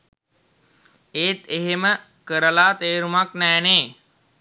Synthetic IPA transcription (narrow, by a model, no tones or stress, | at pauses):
eːt̪eɦemə | kəɾəlaːt̪eːɾumaknɛːneː